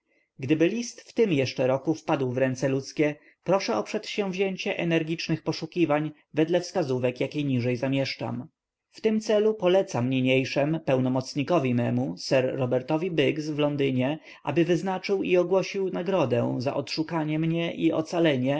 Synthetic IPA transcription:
ɡd̪ɘbɘlʲist̪ft̪ɘmjɛʂt͡ʂɛɾɔkufpad̪wvɾɛnt̪sɛlut̪skʲɛ | pɾɔʂɛɔpʂɛt̪ɕɛ̃w̃vʑeɲt͡ɕɛʔɛnɛɾɡʲit͡ʂnɘxpɔʂukʲivaɲ | vɛd̪lɛfskazuvɛkjakʲejɲiʐɛjzamʲjɛʂt͡ʂa̰m | ft̪ɘmt̪sɛlupɔlɛt̪samɲeɲejʂɛmpɛwnɔmɔt̪sɲikɔvʲimɛmusɛɾːɔbɛɾt̪ɔvʲibɘɡsvlɔnd̪ɘɲɛ | ʔa̰bɘvɘznat͡ʂɘwiɔɡwɔɕiwnaɡɾɔd̪ɛ̰za̰ʔɔt̪ʂukaɲɛmɲɛʔiʔɔ̰t̪salɛɲɛ

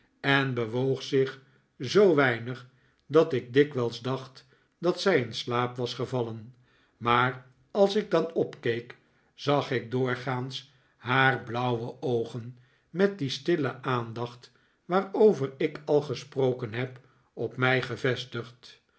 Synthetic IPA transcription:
ɛnbəʋowχsɪχ | zowʋɛjnəχ | dɑtɪɡ̚dɪkʋɛlˠzdɑχt | dɑtsɛjənslaːpʋɑsχəvɑlən | maːr | ɑlˠsɪɡ̚dɑnɔpkejk | z̥ɑχɪk̚dʊːɹχaːns | ɦaːrblʌwwəʔowχən | mɛt̚distɪləʔaːndɑχt | ʋaːɹowvəɹɪkʰɑlˠχəsprowkənɦɛp | ɔpmɛjχəvɛstəχt

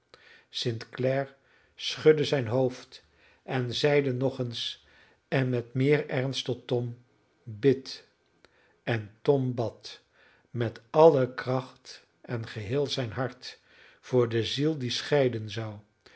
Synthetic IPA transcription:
sɪntklɛɹ | sχɵdəzɛjnɦowft | ʔɛnzɛjdənɔχəns | ɛnmɛtmɪːɹɛɹnstɔtːɔm | bɪt | ɛntɔmbɑt | mɛtɑləkrɑχt | ɛnχəɦɪːlˠzɛjnɦɑɹt | v̥ʊːɹdəzilˠdisχɛjdənzɑw

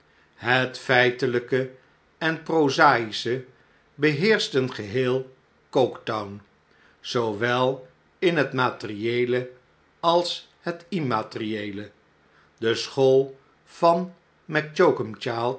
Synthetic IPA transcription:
ɦətfɛjtələkə | ɛnprowzaːjisə | bəɦɪːɹstənχəɦɪːlˠ | kowktɔwn | z̥owʋɛlˠ | ɪnɦətmaːtəriejlə | ɑlˠs | hətimaːtriejlə | dəsχolˠ | v̥ɑn | mɛk̚t͡ʃokəmt͡ʃaːlˠ

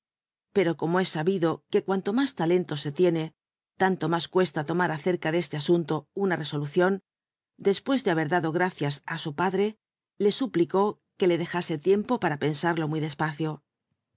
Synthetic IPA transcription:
peɾo̞ko̞moe̞saβiðo̞ke̞kwant̪o̞mast̪ale̞nt̪o̞se̞t̪je̞ne̞ | t̪ant̪o̞maskwe̞st̪at̪o̞maɾaθe̞ɾkaðe̞st̪easunt̪o̞unare̞so̞luθjo̞n | d̪e̞spwe̞zðe̞aβe̞ɾðaðo̞ɣɾaθjasasupaðɾe̞ | le̞supliko̞ | ke̞le̞ðe̞xase̞t̪je̞mpo̞paɾape̞nsaɾlo̞miðe̞spaθjo

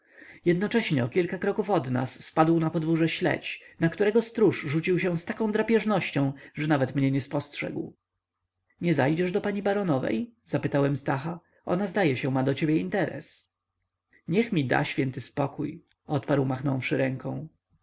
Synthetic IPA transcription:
jɛd̪nɔt͡ʂɛɕɲɛɔkʲilkakɾɔkufɔd̪na̰sːpad̪wnapɔd̪vuʐɛɕlɛ̰t͡ɕnakt̪uɾɛɡɔst̪ɾuʂʐut͡ɕiwɕɛw̃st̪akɔ̃d̪ɾapʲjɛʐnɔɕt͡ɕɔ̃w̃ʐɛnavɛt̪mɲɛɲɛspɔstʂɛ̰ɡw | ɲɛzajd͡ʑɛʐd̪ɔpaɲibaɾɔnɔvɛ̰jzapɘt̪awɛmst̪axa | ʔɔ̰nazd̪ajɛɕɛmad̪ɔt͡ɕebʲjɛint̪ɛɾɛ̰s | ɲɛxmʲid̪a̰ɕfʲjɛnt̪ɘspɔkuj | ɔt̪paɾwmaxnɔ̃w̃fʂɘɾɛŋkɔ̃w̃

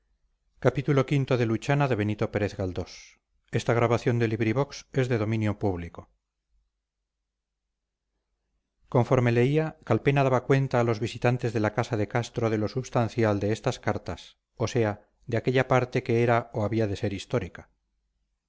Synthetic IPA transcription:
kapit̪ulo̞kint̪o̞ðe̞lut͡ʃanaðe̞β̞e̞nit̪o̞pe̞ɾeθɣald̪o̞s | e̞st̪aɣ̞ɾaβaθjo̞nd̪e̞liβɾiβo̞kse̞zðe̞ðo̞mĩnjo̞puβliko̞ | ko̞ɱfo̞ɾme̞le̞iakalpe̞naðaβakwe̞nt̪aːlo̞zβisit̪ant̪e̞zðe̞lakasaðe̞kast̪ɾo̞ð̞e̞lo̞suβst̪anθjald̪e̞est̪askaɾt̪as | o̞se̞a | ðeake̞ʎapaɾt̪e̞ke̞eɾaoaβiaðe̞se̞ɾist̪o̞ɾikḁ

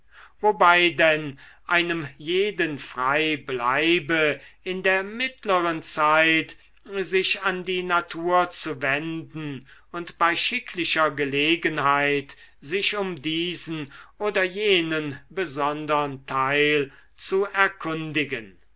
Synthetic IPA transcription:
vobaɪdɛnʔaɪnəmjeːdənfʁ̥aɪbla̰ɪbəɪndeːɐmɪtləʁənt͡saɪt | zɪʃandiːnatʰuːɐt͡suvɛndn̩ʊntb̥aɪʃɪkʰlɪʃɐɡəleːɡənhaɪt | z̥ɪʃʊmdiːzn̩ʔoːdɐjeːnənbəzɔndəʁəntʰaɪl | t͡suɛɐkʰʊndɪɡən

